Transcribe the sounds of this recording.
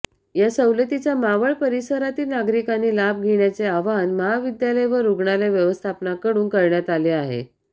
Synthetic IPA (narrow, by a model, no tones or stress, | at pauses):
jasəwlet̪it͡ɕjamaʋəɭpəɾisəɾat̪iːlnaɡɾikaniːlab̚ɡʱeɳjat͡seaʋanməɦaʋid̪jaləjʋəɾuɡɳaleʋjəʋəst̪ʰapnakəɽuːnkəɾɳjat̪aleaɦḛ